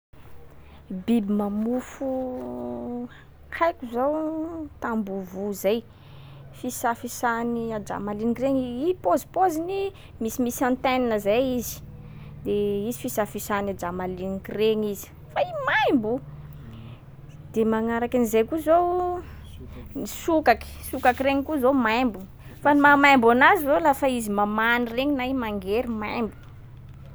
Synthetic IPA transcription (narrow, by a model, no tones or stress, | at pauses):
bibimamufu | hajkʲuzowt̪ambuvuzaj | fisafisaniad͡ʒa̰malinikreŋiipozipozini | misimisãnt̪eninəzejizi̥ | d̪eizifisafisanad͡ʒamalinikireŋizi̥ | faimajmbu | d̪̥emaŋaɾakanizejkuzow | nisukaki̥sukakiɾeŋikuzomajmbun | fanumamajmbanazivolafaizimamanireɲinaimaŋɡeɾimajmbu̥